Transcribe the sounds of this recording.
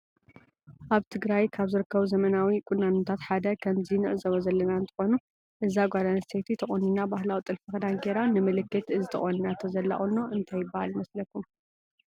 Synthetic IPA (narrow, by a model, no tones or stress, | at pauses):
ʔaβt̪ʰɨɡɾajkʰaβzɨɾɨkʰːɐβuzɐmɐnawikʼunːanot̪ʰat̪ħad̪ɐkʰɐmzinɨʔzɐβozɐlːɐnaɨnt̪ʰɨ̥xo̞nu | ʔɨzaɡʷad̪anɐsʰet̪ʰit̪ʰɐχʼonːinabahlawit̪ʼɨlfɐxɐd̪aŋɡeɾanɨmɨlɨkːɨt̪ɨzit̪ʰɐ̰χʼoninat̪ʰɐzɐlːa̰ʔʼonːoʔɨnt̪ʰajːɪbːahalimɐslɐkːum